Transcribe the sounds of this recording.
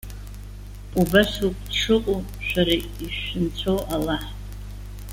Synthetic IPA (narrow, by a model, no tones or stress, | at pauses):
ubasupʰʼʈ͡ʂʰɨqʼu | ʃʷᶣaɾa | iʃːɪnt͡sʷʰowʔalaħ